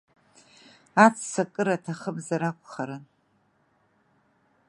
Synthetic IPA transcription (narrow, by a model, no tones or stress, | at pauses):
at͡sʰsakʼɨɾatʰaχəbzaɾakʷʼχaɾɨn